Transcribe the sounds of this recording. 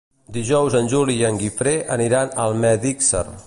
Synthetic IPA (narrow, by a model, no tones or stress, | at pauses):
d̪iʒɔwzənʲʒuliəŋɡifɾeəniɾanəlˠmɛðiksə̰r